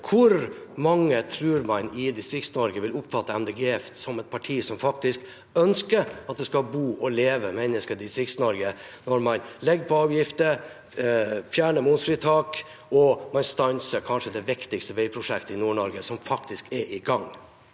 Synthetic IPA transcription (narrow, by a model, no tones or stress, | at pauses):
kʰʊɾmɑŋːət̪ʰɾʉːɾmɑnɪd̪ɪst̪ɾɪktsnɔɾɡəʋɪlʊpːfɑt̪ːəæmd̪eːɡeːɛfsɔmɛt̪̚pʰɑʈʰiːsɔmfɑk̚t̪ɪsk | œnskəɾɑt̪̚d̪ɛskɑlbuːʔɔleːʋəmɛnəskəd̪ɪst̪ɾɪkt̪snɔɾɡənɔɾmɑnlɛɡəpʰɔɑːʋjɪft̪ə | fjæːɳəmʊnfɾiːt̪ʰɑːk | ɔmɑnst̪ɑnsəɾkʰɑnʂəd̪ɛʋɪkt̪ɪkst̪əʋɛɪpʰɾʊʂɛkt̪əɪnuːɳɔɾɡəsɔmfɑkt̪ɪskɛʔɪɡɑŋ